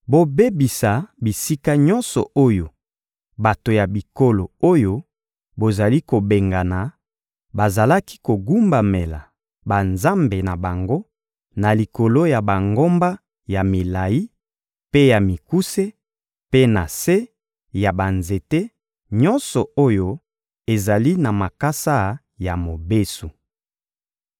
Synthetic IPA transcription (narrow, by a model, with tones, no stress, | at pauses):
bo˦be˦bi˨sa˨bi˨si˦ka˦ɲɔ˦nsɔ̰˨ʔo˦jo˨ | ba˨to˨ja˨bi˨ko˦lo˨o˦jo˦ | bo˨za˨li˦ko˨be˨ŋɡa˨na˨ | ba˨za˨la˦ki̥˦ko˨ɡu˦mba˨me˨la̰˨ | ba˨nza˦mbe˨na˨ba˨ŋɡo˦ | na˨li˨ko˨lo˦ja˨ba˨ŋɡo˦mba˦ | ja˨mi˨la˨ji˦ | pe˦ja˨mi˨ku˦se˦ | pe˦na˨se˦ | ja˨ba˨nze˨te˦ | ɲɔ˦nsɔ˨o˦jo˦ | e˨za˨li˦na˨ma˨ka˦sa˦ | ja˨mo˨be˦su˨